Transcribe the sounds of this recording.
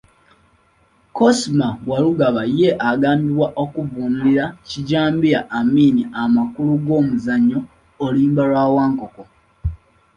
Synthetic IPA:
kosmawaluɡaβaje̞ʔaɡaːmbiβwaʔo̞kuvuːnuliɾaciɟaːmbiɾaʔːmiːniʔamakuluɡo̞ːmuzaɲːo̞ː | liːmbalwaːwaːŋko̞ko̞

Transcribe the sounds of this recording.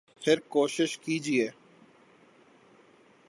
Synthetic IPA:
pʰɪɾkoːʃɪʃkiːd͡ʒieː

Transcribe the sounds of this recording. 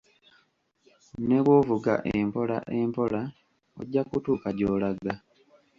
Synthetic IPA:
ne̞βwovuɡa̰ʔempo̞la̰ʔeːmpo̞la | o̰ɟːakutuːkaɟoːlaɡa

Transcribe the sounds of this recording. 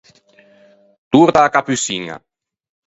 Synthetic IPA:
t̪uɾt̪aːkapysiŋa̰

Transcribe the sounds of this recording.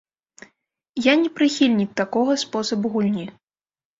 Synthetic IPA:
janʲɛpɾɨxʲilʲnʲik̚t̪akɔɣɐspɔsɐbuɣulʲnʲi

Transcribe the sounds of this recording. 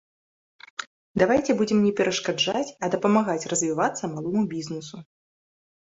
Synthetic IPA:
d̪avajt͡sʲɛbud͡zʲɛmnʲɛpʲɛɾɐʂkad͡ʐat͡sʲɐd̪ɐpɐmaɣat͡sʲrɐzvʲivat̪sːɐmalˠɔmubʲiznɨsu

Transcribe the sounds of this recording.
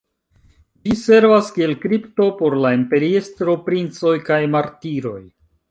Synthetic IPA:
d͡ʒise̞ɾvaskie̞lkɾipto̞po̞ɾlaimpe̞ɾiestɾo̞pɾint͡so̞jkajmaɾtiɾo̞̰j

